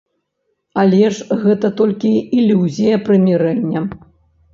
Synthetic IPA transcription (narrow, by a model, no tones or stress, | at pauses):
alʲɛʐɣɛt̪ɐt̪ɔlʲkʲiːlʲːuzʲijɐpɾɨmʲɛɾɛnʲːɐ